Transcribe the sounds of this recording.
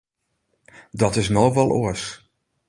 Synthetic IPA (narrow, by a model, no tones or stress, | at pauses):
dɔtɪs̬noʋɔlˠʔoəs